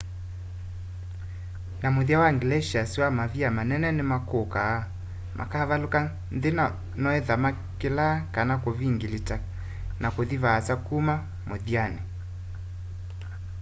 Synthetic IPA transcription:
namoðiawaŋɡlɛʃiasiwamaviamanɛnɛnemakokaː | mʔa̰kavaloka | nðena | nɔɛðama | kelakanakoβiŋɡilita | nakoðiβaːsakuma | moðiane

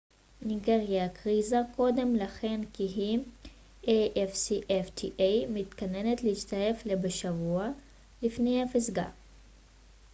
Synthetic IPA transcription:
niɡeʁjakʁizako̞d̪e̞mlaχe̞nkiɦi | ʔejʔefsiʔeft̪ʰiʔejmit̪kane̞net̪lehiʃt̪aje̞flebeʃavua | lifne̞jhafizɡa̰

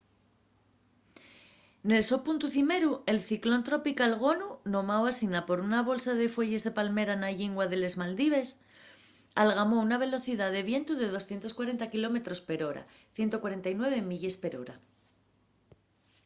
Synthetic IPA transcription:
ne̞lso̞punt̪uθime̞ɾue̞lθiklo̞nt̪ɾo̞pikalɣ̞o̞nuno̞mawasinapo̞ɾunaβ̞o̞lsað̞e̞fwe̞ʝe̞zðe̞palme̞ɾanaʎiŋɡwaðe̞le̞zmald̪iβ̞e̞s | alɣamo̞unaβ̞e̞lo̞θiðaðe̞β̞je̞nt̪uðe̞ð̞o̞sθjent̪o̞skwaɾe̞nt̪akilo̞me̞t̪ɾo̞spe̞ɾo̞ɾa̰ | θje̞nt̪o̞kwaɾe̞nt̪ajnwe̞β̞e̞miʎe̞spe̞ɾo̞ɾa

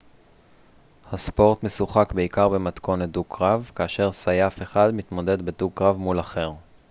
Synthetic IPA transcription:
haspo̞ʁt̪me̞suχakbe̞ikaʁbe̞mat̪ko̞nedukʰʁavkaːʃe̞ʁsajafe̞χad̪mit̪mo̞de̞d̪bedukʁavmulaχe̞ʁ

